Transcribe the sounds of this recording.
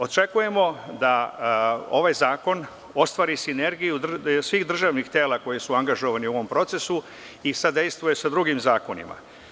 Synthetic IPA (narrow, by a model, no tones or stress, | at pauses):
o̞t͡ʃe̞kuje̞mo̞d̪a | o̞ʋajzaːko̞n | o̞st̪ʋaːɾisine̞ɾɡijud̪rsʋiːxd̪r̩ʒaːʋnixt̪e̞ːlako̞jisuaŋɡaʒo̞ʋanio̞ʋo̞mpɾo̞t̪se̞su | isad̪e̞jst̪ʋujesad̪ɾuɡimzaːko̞nḭma̰